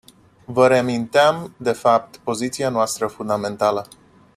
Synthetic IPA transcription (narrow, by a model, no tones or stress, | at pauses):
vəɾeamint̪eamd̪e̞fap̚t̪po̞zit̪sianoast̪ɾəfund̪ame̞nt̪alə